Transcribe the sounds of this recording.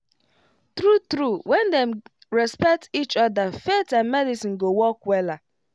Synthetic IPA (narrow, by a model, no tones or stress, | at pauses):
tɾutɾuwɛndɛm | ɹɛspɛk̚tit͡ʃɔdafetanmɛdisĩn̩ɡowɔkwɛla